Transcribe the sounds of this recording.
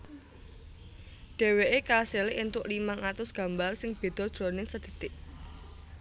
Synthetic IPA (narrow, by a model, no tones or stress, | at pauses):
ɖ̪̥e̤weʔekaselɪʔint̪ʊʔlimaŋat̪ʊsɡ̥ä̤mbarsɪŋb̥e̤d̪̥ɔ̤d̪̥ɾɔ̤nɪŋsəd̪̥ə̤t̪ɪʔ